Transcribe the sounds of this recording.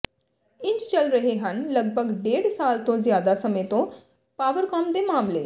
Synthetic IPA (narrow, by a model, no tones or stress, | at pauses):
ɪ̃ɲd͡ʒt͡ʃəlɾəɦeɦənləɡ̚bʱəɡɖeːɽsaːlt̪õːzɪjaːd̪asəmẽt̪õː | paːʋəɾkəmd̪eːmaːmlḛː